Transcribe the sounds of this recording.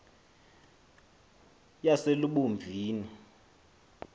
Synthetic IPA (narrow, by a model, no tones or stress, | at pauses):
jaseluɓuɱb̪vʱiːni